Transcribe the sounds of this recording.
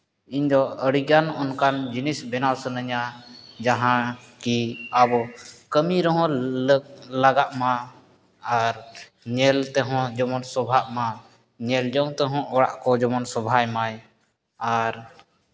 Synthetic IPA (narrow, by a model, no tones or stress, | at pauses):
iɲd̪ɔəɽiɡanɔnkand͡ʒinisbɛnawsənəɲad͡ʒaɦã | kiabɔkəmiɾɔɦɔ̃ | laɡaʔma | aɾ | ɲɛlt̪ɛɦɔ̃d͡ʒɔmɔnsɔbʱaʔma | ɲɛld͡ʒɔŋt̪ɛɦɔ̃ɔɽa̰ʔkɔd͡ʒɔmɔnsɔbʱajmaj | aɾ